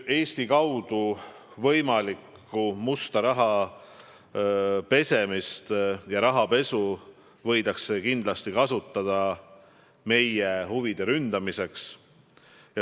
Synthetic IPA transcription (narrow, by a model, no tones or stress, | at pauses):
e̞ːst̪ikɑwd̪̥u | vɤjmɑlikːumust̪ɑɾɑɦɑ | pe̞se̞mist̪jɑɾɑɦɑpe̞su | vɤ̞jd̪̥ɑksːe̞kind̪̥lɑst̪ikɑsut̪ˑːɑd̪̥ɑ | me̞jehuvid̪̥e̞ɾynd̪̥ɑmiseks | jɑ